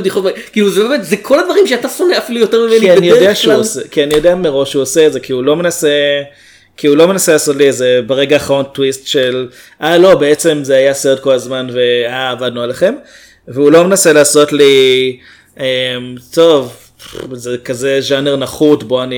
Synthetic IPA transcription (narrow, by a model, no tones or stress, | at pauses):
bd̪iχotmakiːluzebemetzekʰo̞ladvɐʁimʃeatasoneafilujoteʁmimenianijodeaʃeusekianijodeameʁo̞ʃuoseetze̞kʰiulo̞me̞nase | kiulo̞me̞naselaːso̞tliezebeʁe̞ɡaːχaʁo̞ntwistʃel | ʔalo̞beet͡se̞mzeajaseʁed̪̚ko̞lazmanve̞aːvad̪̚nualeχe̞m | veulo̞menase̞laːso̞tli | emto̞v | zekazeʒaneʁnaχutbo̞ani